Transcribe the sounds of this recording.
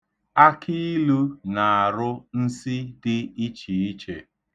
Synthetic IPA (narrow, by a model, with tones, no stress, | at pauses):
a˦kʰi˦lu˦na˨a˨ɾʊ˦n̩˦si˦dɪ˦i˦t͡ʃi˨i˦t͡ʃe˨